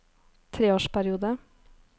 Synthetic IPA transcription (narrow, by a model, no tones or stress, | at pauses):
t̪ʰɾeːoːʂpæɾɪuːd̪ə